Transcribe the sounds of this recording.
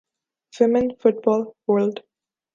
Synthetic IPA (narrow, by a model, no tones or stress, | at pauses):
fɪmə̃nfʊʈ̚bɔːlwə˞lɖ